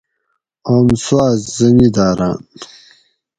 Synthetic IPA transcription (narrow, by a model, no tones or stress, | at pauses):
oːmswaːzzɐnid̪aːɾa̰ːn